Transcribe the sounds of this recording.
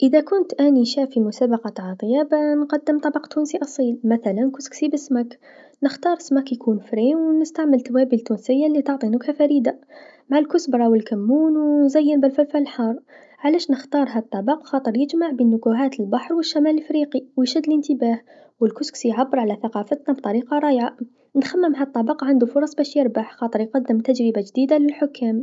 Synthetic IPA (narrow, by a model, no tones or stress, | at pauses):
ʔəd̪ækʊnt̪ʔæniʃæfimʊsabɑqɑt̪ʕɑt̪ˤəjabanqɑd̪ːəmt̪ˤɑbɑqt̪unsiʔɑsˤiːlmæθælænkʊsksibəsmæk | nəxt̪ɑːɾˤəsmækjkʰuːnfɾiwnəst̪aʕməlt̪wæbilt̪ːunsəjːalːit̪ɑʕt̪ˤinʊkhafæɾid̪amaʕalkʊsbɾˤɑwəlkæmːuːnwnzæjːənbəlfælfælħɑɾˤ | ʕalæːʃnəxt̪ɑːɾˤɦæt̪ˤːɑbɑqxɑːt̪ˤɨɾjɪd͡ʒmaʕbinːʊkuɦaːt̪əlbaħɾˤwəʃːamæːləlfɾiːqiwjʃæd̪ːlənt̪əbaːh | wəlkʊsksjʕabːəɾˤʕalæθaqɑːfət̪nabit̪ˤɑɾiːqɑɾˤɑːjʕa | nxamːəmɦæt̪ˤːɑbɑqʕand̪ufʊɾˤɑsˤbæːʃjɪɾbaħxɑːt̪ˤɨɾjqɑd̪ːəmt̪ad͡ʒɾəbad͡ʒd̪iːd̪alɪlħʊkʰːaːm